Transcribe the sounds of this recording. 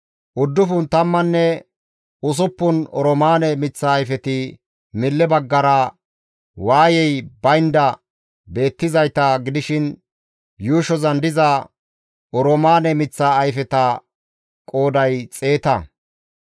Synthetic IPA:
ʔʊd̪ːʊfʊnt̪ɐmːɐnːɛ | ʊs̬ʊpːʊnɔɾɔmaːnɛmɪt͡sːaːjfɛt̪ɪ | mɪlːɛbɐɡːɐɾɐ | waːjɛjbɐjnd̪ɐ | be̞ːt̪ːɪzɐjt̪ɐɡɪd̪ɪʃɪn | juːʃɔzɐnd̪ɪzɐ | ɔɾɔmaːnɛmɪt͡sːaːjfɛt̪ɐ | kʼo̞ːd̪ɐjt͡sʼe̞ːt̪ɐ

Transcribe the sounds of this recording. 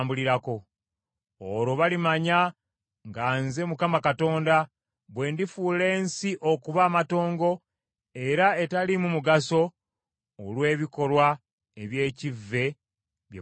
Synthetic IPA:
mbuliɾako̞ | oɾo̞βalimaɲa | ŋɡaːnze̞mukamakato̞ːnda | βwe̞ːndifuːle̞ːnsiʔo̞kuβaːmato̞ːŋɡo̞ | e̞ɾae̞talimumuɡaso̞ː | lwe̞ːβiko̞lwa | e̞βje̞ːcivːe̞ | βje

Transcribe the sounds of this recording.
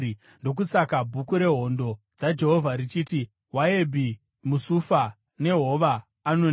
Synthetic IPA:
ndo̞k̬usakabʱukuɾe̞ɦo̞ndo̞ | d͡zad͡ʒe̞ɦovʱaɾit͡ʃiːti | waebʱi | musufa | ne̞ɦo̞ʋaː | non

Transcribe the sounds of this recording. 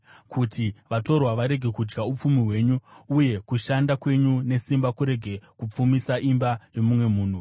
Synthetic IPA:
kʰutʰiʋato̞rwaʋaɾe̞ɡʱe̞kud͡ʒɡaup͡fumiɦwe̞ːɲuuje̞kuʃandakwe̞ɲune̞simbakuɾe̞ɡʱe̞kup͡fumisaʔimbajo̞mumwe̞muːn̤u

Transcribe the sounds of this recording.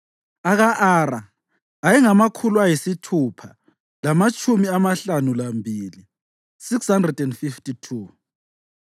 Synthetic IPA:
aɣaʔaːɾaː | jɛŋamakʰuluajisitʰuːpʰa | lamat͡ʃʼumiamaɬanulambʱiːli | sikshandrɛdɛnfiftʼitʰu

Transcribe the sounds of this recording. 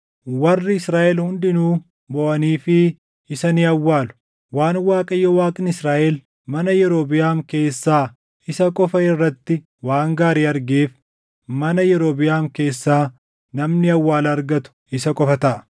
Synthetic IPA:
wɐrːɪɪsɾaːʔɛlhʊnd̪ɪnuː | bɔʔɐniːfɪ | ɪsɐniːɐwːaːlʊ̥ | waːnwaːkʼɐjːɔwaːkʼɪnɪsɾaːʔɛl | mɐnɐjɛɾo̞ːbɪjaːŋke̞ːsːaː | ɪsɐkʼɔfɐɪrːɐt̪ːɪ | waːŋɡaːɾiːɐɾɡeːf | mɐnɐjɛɾoːbɪjaːŋke̞ːsːaː | nɐmnɪɐwːaːlɐːɾɡɐt̪ʊ̥ | ɪsɐkʼɔfɐt̪ɐʔɐ̥

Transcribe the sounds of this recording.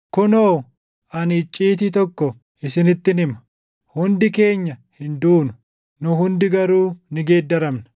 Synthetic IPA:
kʊnoː | ɐnɪt͡ʃʼːiːt̪ɪt̪ɔkːɔ | ɪsɪnɪt̪ːɪnɪmɐ̥ | hʊnd̪ɪke̞ːɲːɐhɪnd̪uːnʊ | nʊɦʊnd̪ɪɡɐɾuːnɪɡe̞ːd̪ːɐɾɐmnɐ̥

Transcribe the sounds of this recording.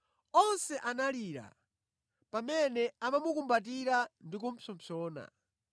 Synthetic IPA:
ɔnsɛʔanaliɾa̰ | pamɛnɛamamukumbat̬iɾandikum̩pʰɔmpʰɔːna̰

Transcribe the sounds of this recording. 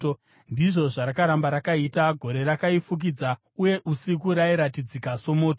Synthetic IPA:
ndiʐo̞ʐaɾakaɾambaɾakaitaɡʱo̞ɾe̞ɾakaifuk̬id͡za | uje̞ʔusikuɾaiɾatid͡zikaso̞mo̞ːto

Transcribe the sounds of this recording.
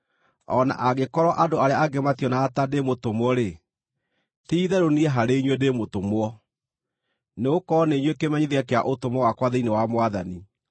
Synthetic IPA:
ɔna̰ʔaɣekɔɾɔʔadoaɾeaaɡematiɔnaːtademotomwɔɾe | tiiðɛɾoniɛɦaɾeiɲwedemotomwɔ | neokɔneɲwekemɛɲiðeakea̰ʔotomɔwakwaðeinewamwaðani

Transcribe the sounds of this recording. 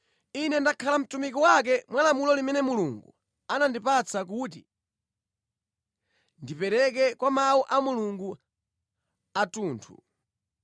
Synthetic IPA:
inɛndakʰalam̩tumikiwak̬ɛmwalamulɔlimɛnɛmuluːŋɡṵ | anandipat͡sʰak̬ut̬i | ndipɛɾɛk̬ɛkwamawuʔamuluŋɡu | atuːntʰṵ

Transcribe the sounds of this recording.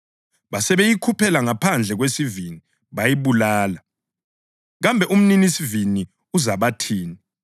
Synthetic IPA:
βasɛβejikʰupʰɛlaŋapʰand͡ɮʱɛɣwesivini | βajiβulaːla | ɣambʱɛʔum̩ninisivini | uzaβatʰiːni

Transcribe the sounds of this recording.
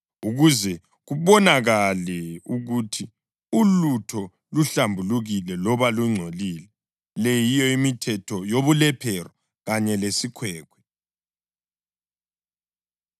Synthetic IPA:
uɣuzɛ | ɣuβɔnaɣalɛuɣutʰi | ulutʰɔ | luɬambʱuluɣilɛlɔβaluŋ͡ǀʱolilɛ | lɛjijɔimitʰɛtʰɔjoβulɛpʰɛrɔ | ɣaɲɛlesikʰwɛːkʰwɛ̥

